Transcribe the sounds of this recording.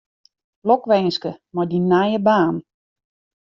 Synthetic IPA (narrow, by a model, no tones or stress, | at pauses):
lɔkʋɛjnskəmajdinajəbaːn